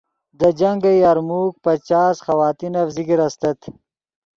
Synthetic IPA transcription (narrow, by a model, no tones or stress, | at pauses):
d̪əd͡ʒaŋɡəjaɾmuk̚pɐt͡ʃaːsxɐwɑːt̪inɐfziɡiɾɐst̪ɐt̪